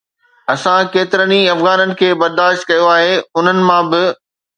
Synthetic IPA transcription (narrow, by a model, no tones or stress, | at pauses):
ɐsãkeːt̪ɪɾəniɐfɣaːnənɪ̆kʰeːbɐɾd̪aːʃt̪̚kɐjoaːɦeːʊn̤ənɪ̆mãːbɪ